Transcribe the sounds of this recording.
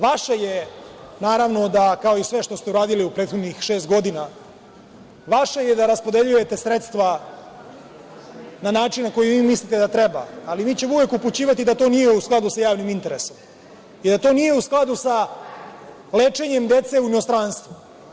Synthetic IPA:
ʋaʃaje | naːɾaʋno̞d̪akao̞isʋe̞ʃt̪o̞st̪e̞uɾaːd̪iliupɾeːt̪xo̞d̪nɲixʃe̞ːst̪ɡo̞d̪ina | ʋaʃajed̪aɾaspo̞d̪e̞ʎuje̞t̪e̞sɾet̪st̪ʋa | nanaːt͡ʂinnako̞jiʋiːmislit̪ed̪at̪ɾeba̰ːliʋiːt͡ɕe̞mouʋe̞kuput͡ɕiːʋat̪id̪at̪o̞ːnijeusklˠad̪usajaːʋnimint̪e̞ɾe̞so̞m | id̪at̪o̞ːnije̞usklˠad̪usa | leːt͡ʂe̞ɲe̞md̪e̞t̪se̞uinost̪ɾanst̪ʋu

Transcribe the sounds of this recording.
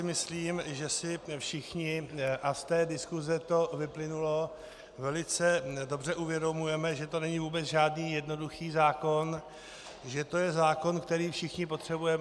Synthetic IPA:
ɪmɪsliːmʒɛsɪfʃɪxɲɪʔast̪ɛːdɪskuzɛt̪o̞vɪplɪnulo̞ | vɛlɪt͡sɛdo̞brɛʔuvjɛdo̞mujɛmɛʒɛt̪o̞nɛɲɪvuːbɛt͡sʒaːdniːjɛdno̞duxiːzaːko̞n | ʒɛt̪o̞jɛzaːko̞nkt̪ɛɾiːfʃɪxɲɪpot̪r̝̥ɛbujɛm

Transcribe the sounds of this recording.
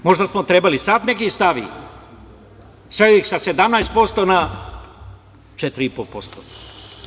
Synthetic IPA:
mo̞ʒd̪asmot̪ɾebalisat̪nekist̪aʋḭ | sɾeoixsased̪amnajst̪̚po̞st̪ona | t͡ʃet̪ɾiipolpo̞st̪o

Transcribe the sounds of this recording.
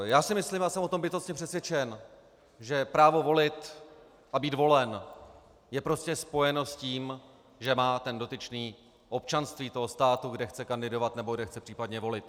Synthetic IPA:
jaːsɪmɪsliːmjaːsɛmʔot̪ombɪt̪ost̪ɲɛpr̝̥ɛsvjɛt͡ʃɛn | ʒɛpɾaːvo̞vo̞lɪt̪ | ʔabiːt̪vo̞lɛn | jɛpɾo̞scɛspo̞jɛnosciːm | ʒɛmaːt̪ɛndo̞t̪ɪt͡ʃniː | ʔo̞p̚t͡ʃanst̪viːt̪o̞ɦo̞st̪aːt̪uɡdɛxt͡sɛkandɪdo̞vat̪nɛboɡdɛxt͡sɛpr̥iːpadɲɛvo̞lɪt̪̚

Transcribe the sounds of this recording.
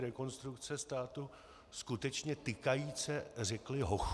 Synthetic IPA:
ɾɛko̞nst̪ɾukt͡sɛst̪aːt̪u | skut̪ɛt͡ʃɲɛt̪ɪkajiːt͡sɛrɛklɪɦox

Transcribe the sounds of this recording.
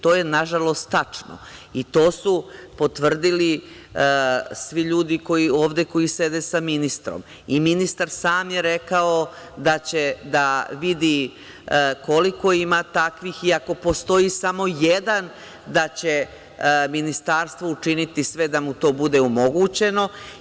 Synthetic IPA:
t̪o̞ːjenaʒalo̞st̪ːat͡ʂno̰it̪o̞ːsupo̞t̪ʋr̩d̪ili | sʋiʎuːd̪iko̞io̞ːʋd̪e̞ko̞ise̞d̪esaminist̪ɾo̞̰m | iminist̪aɾsaːmjeɾe̞kao̞ | d̪at͡ɕe̞d̪aʋid̪i | ko̞liko̞imat̪akʋixiako̞po̞st̪o̞isamo̞jed̪an | d̪at͡ɕe | minist̪aːɾst̪ʋout͡ʂinit̪isʋe̞d̪amut̪o̞ːbud̪e̞omo̞ɡut͡ɕe̞no̞

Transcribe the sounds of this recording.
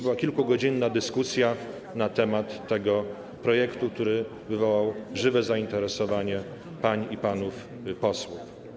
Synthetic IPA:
bɘwakʲilkuɡɔd͡ʑinːad̪ɘskusʲja | nat̪ɛmat̪ːɛɡɔ | pɾɔjɛkt̪uk̚t̪uɾɘ | vɘvɔwawʐɘvɛzaint̪ɛɾɛsɔvaɲɛ | paɲiipanuf | pɔswuf

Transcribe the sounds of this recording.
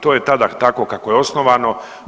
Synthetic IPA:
t̪oje̞t̪ad̪at̪ako̞kako̞jeo̞snoʋaːno̞

